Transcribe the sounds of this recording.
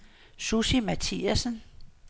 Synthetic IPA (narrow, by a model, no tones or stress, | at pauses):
susimæt͡sʰiːæsən